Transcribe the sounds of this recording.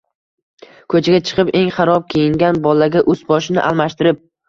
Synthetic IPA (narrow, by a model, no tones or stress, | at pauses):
kʰɵt͡ʃʰaɡʲat͡ʃʰɨ̥qʰɨpe̞ŋχaɾɒp̚kʲʰejɪŋɡʲanbɒlaɡʲaʔɵzbɒʃɪnɪ̰ʔa̰lˠmaʃt̪ɪɾɪp̚